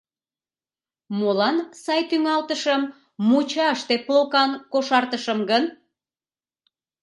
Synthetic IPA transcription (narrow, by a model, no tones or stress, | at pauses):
molɑnsɑjt̪yŋɑlt̪əʃəmː | ut͡ɕɑəʃt̪eplokɑnkoʃɑrt̪əʃəmɡən